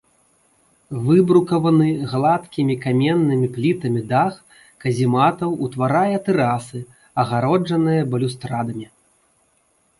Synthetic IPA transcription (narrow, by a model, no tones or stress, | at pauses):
vɨbɾukɐvɐnɨɣlˠat̪kʲimʲikamʲɛnːɨmʲiplʲit̪ɐmʲid̪ax | kɐzʲimat̪ɐwut̪vaɾajɐt̪ɛɾasɨ | ɐɣaɾɔd͡ʐɐnɨjɐbɐlʲust̪ɾad̪ɐmʲi